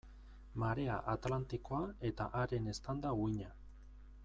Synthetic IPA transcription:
maɾe̞a̰ʔat̪lant̪ikoae̞t̪aʔaɾe̞ne̞st̪and̪awiɲa

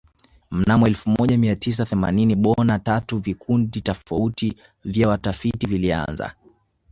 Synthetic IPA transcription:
m̩namɔɛlfumɔʄamiatis̬aθɛma̰niniɓɔnatatuvikʰunditɔfauti | vjawatafitivilia̰nza̰

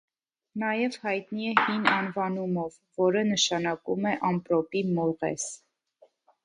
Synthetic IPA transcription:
nɑjɛv̥hɑjt̪niɛhinɑnvɑnumɔvːɔɾənəʃɑnɑkumɛʔɑmpɾɔpimɔɾʁɛ̰s

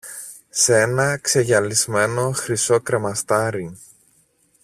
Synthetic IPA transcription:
seenɐkse̞ʝɐlizme̞no̞xɾiso̞kɾe̞mɐst̪ɐɾi

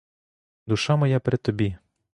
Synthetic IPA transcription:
d̪ʊʃamɔjapɾɪt̪ɔbʲi

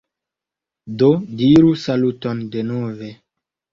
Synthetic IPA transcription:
dodiɾusalutondenove

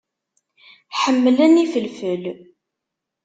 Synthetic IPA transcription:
ħəmːəlænifəlfəl

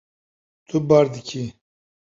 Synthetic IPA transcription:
t̪ʰubɑːɾd̪ɨkʰi

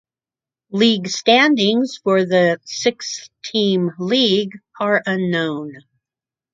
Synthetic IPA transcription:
liɡstæ̃ndɪ̃ŋz̥fə˞ðɨsɪkstʰĩmliɡə˞ʔʌ̃nːõʊ̃n

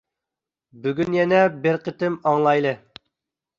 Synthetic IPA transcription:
byɡʲynjɛnɛbɪɾqʰət̪ɪmɑŋlˠɑjlˠɨ

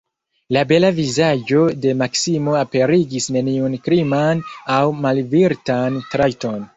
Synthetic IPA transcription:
labe̞lavizad͡ʒo̞de̞maksimo̞ape̞ɾiɡisne̞niunkɾimanawmalviɾtantɾajto̞n

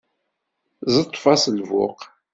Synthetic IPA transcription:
zˤət̪ˤːfɑsəlvʊ̰q

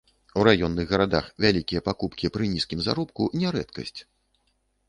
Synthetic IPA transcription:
wɾajɔnːɨɣɣɐɾad̪axvʲalʲikʲijɐpakupkʲipɾɨnʲiskʲimza̰ɾɔpkunʲɛɾɛt̪kɐ̰sʲt͡sʲ

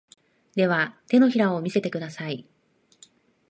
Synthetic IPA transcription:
d̪e̞β̞at̪e̞no̞çiɾao̞mʲise̞t̪e̞kɯ̟d̪asai

